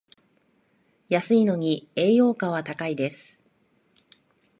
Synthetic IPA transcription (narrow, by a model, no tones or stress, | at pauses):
jasɨino̞ɲ̟ie̞ːjo̞ːkaβ̞at̪akaid̪e̞sɨ̥